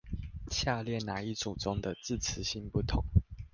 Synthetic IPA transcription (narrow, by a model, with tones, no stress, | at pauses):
ɕja˥˧ljɛ˥˩na˨˦i˥˩t͡su˨˩t͡sʊ˦ŋd̪ə˨t͡sɹ̩˥˨t͡s̩ʰ˨˦ɕi˦npu˥˩t̪ʰʊ˨˦ŋ